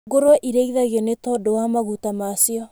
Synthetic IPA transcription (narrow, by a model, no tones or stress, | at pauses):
ɡoɾoɔʔiɾeiðaɣjɔnetɔdowamaɣutamasiɔ